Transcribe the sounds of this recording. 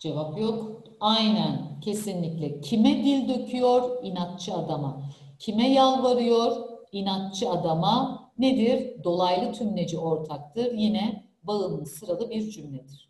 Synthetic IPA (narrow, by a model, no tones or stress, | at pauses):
d͡ʒe̞vapjok | ajnæncʰe̞sinlʲiclʲɛcʰimɛd̪ilʲd̪ø̞cʰyjoɾinak̪̚t͡ʃʰɯad̪ama | cʰimɛjalˠvaɾɯjo̞ɾinak̚t͡ʃʰɯad̪amaned̪iɾd̪o̞lˠajlˠɯt̪ʰymled͡ʒio̞ɾt̪ʰak̚t̪ʰɯɾjinɛ | baɯnlˠɯsɯɾalˠɯbiɾd͡ʒymlʲɛd̪iɾ̥